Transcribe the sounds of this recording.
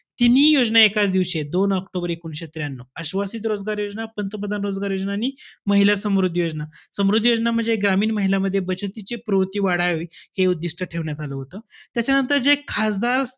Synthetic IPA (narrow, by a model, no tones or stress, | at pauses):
t̪inːijod͡znaekat͡sd̪iʋɕed̪onəkʈobəɾekuɳɕet̪ɾjanːoəɕʋasiːt̪̬ɾod͡zɡaɾjod͡znapənt̪əpəd̪ʱanɾod͡zɡaɾjod͡znaniməɦilasəmɾud̪ʱːjod͡znasəmɾud̪ʱːjod͡znam̤əɳd͡zeɡɾamiːnməɦilaməd̪ʱːjebət͡ɕət̪it͡sepɾowt̪iːʋaɽaɦoiheud̪ːiʂʈəʈʰeʋɳjat̪aləɦot̪ət̪jat͡ɕanənt̪əɾd͡zekʰasd̪aɾ